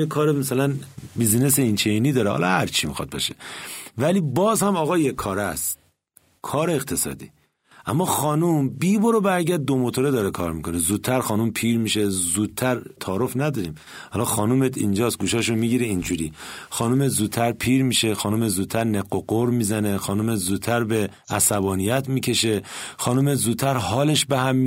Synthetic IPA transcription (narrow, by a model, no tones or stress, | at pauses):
jekʰɒːɾemasælænbizneseint͡ʃʰeiniːd̪ɒːɾehɒ̰lɒ̰hæɾt͡ʃʰimḭxɒ̰d̪̚bɒ̰ʃevæliːbɒːzhæmɒːɣɒːjekʰːɒːɾæstt̪ | kʰɒːɾeːqt̪ʰe̞sɒ̰ːd̪ḭː | ʔæmːɒxɒːnumbiːboɾobæɾɟæɾd̪̚ːomot̪ʰoɾed̪ɒːɾekʰɒːɾmikʰonezuːd̪̚tʰːæɾxɒːnumpʰiːɾmiːʃezuːd̪̚t̪ʰːæɾt̪ʰɒːɾofnæd̪ɒːɾiːm | hɒlɒxɒːnumet̪ʰḭnd͡ʒɒːst̪̚ɡuːʃɒːʃ̬omiːɟiɾeind͡ʒuɾiːxɒːnumet̪zuːd̪̚t̪ʰːæɾpʰiːɾmiːʃexɒːnumezuːd̪t̪ʰːæɾneɡːoɡoɾmiːzænexɒːnumet̪zuːd̪̚t̪ʰːæɾbe | æsæbɒːnijæt̪ʰmiːcʰe̞ʃe̞xɒːnumet̪zuːd̪̚t̪ʰːæɾhɒːle̞ʃbehæmːi